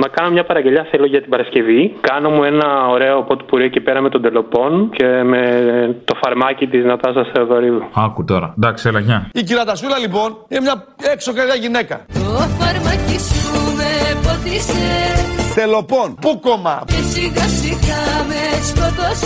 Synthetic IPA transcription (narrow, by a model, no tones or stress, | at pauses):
mɐkɐnomɲɐpɐɾɐɲɟe̞ʎɐθelo̞ʝɐt̪ibɐɾɐsce̞vikɐno̞mue̞nɐoɾe̞o̞pot̪i̥puɾiecipeɾɐme̞t̪od̪e̞lo̞po̞nce̞met̪o̞fɐɾmɐcit̪iznɐt̪ɐsɐseoðoɾivuɐkut̪oɾɐd̪ɐkselɐçɐiciɾɐt̪ɐsulɐlipo̞ninemɲɐ | ekso̞keðɐʝine̞kɐt̪ofɐɾmɐcizt̪umepot̪iset̪e̞lo̞po̞npukomɐ̰cesiɣɐsikɐmeskod̪os